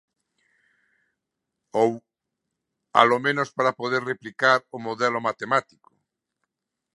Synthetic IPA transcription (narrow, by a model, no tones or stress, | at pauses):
ow | a̰lomẽnospaɾapoðeɾreplikaɾomoðɛlomat̪emat̪iko̥